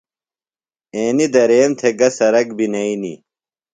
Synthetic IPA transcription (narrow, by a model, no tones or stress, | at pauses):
eːnid̪ɐɾeːmt̪ʰeɡɐsɐɾɐkbinɐinḭ